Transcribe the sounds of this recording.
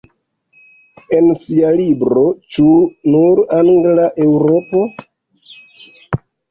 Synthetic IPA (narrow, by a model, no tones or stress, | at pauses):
e̞nsialibɾo̞t͡ʃunuɾaŋɡlaʔe̞wɾo̞po̞